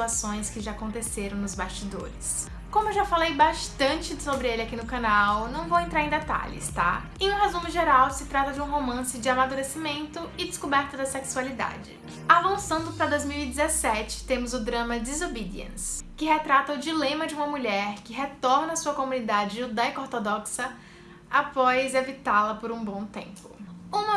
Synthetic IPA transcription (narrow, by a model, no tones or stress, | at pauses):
t̪uasõj̃skɪʒaakõnt̪eseɾɐ̃w̃nʊzbast͡ʃid̪o̰ɾɪs | kõmʊewʒafalejbaʃt̪ɐ̃t͡ʃɪsobɾɪelɪakinʊkanawnɐ̃w̃vowẽnt̪ɾaɾẽd̪et̪a̰ʎɪ̰st̪a̰ | ẽũɦezũmɪʒeɾawsɪt̪ɾat̪ɐd͡ʒɪũɦomɐ̃sɪd͡ʒɪamad̪uɾesimẽnt̪ʊɪd̪ɪskobɛɾt̪ɐd̪ɐseksualid̪a̰d͡ʒɪ̰ | avɐ̃sɐ̃nd̪ʊpɾɐd̪ojzmiwid͡ʒɪzesɛt͡ʃɪ̥t̪ẽmʊzʊd̪ɾɐ̃mɐd͡ʒizobid͡ʒiḛ̃skɪɦet̪ɾat̪ɐʊd͡ʒilẽmɐd͡ʒɪũmɐmuʎɛɾkɪɦet̪ɔɾnɐːsuɐkomũnid̪ad͡ʒɪʒud̪ajkoɾt̪od̪ɔksɐ | apɔjzevit̪alɐpoɾũbõw̃t̪ḛ̃mpʊũmɐ